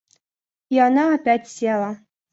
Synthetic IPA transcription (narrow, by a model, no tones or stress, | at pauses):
iɑnaːpʲætʲsʲelˠa